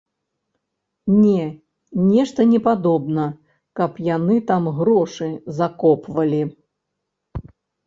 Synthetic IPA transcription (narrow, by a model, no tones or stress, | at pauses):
nʲɛ | nʲɛʂt̪ɐnʲɛpad̪ɔbnɐ | kɐpjanɨt̪amɣɾɔʂɨzakɔpvɐlʲi